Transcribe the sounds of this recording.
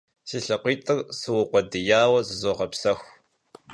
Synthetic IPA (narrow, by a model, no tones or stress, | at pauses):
siːɬɨqʷiːtʰʼɨrsɨwʊqʷɔdɨjaːwɐzɨzoːʁɐpsɐxʷ